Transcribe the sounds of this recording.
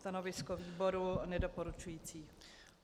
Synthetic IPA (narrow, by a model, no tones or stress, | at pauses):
t̪anovɪskoviːboɾunɛdopoɾut͡ʃujiːt͡siː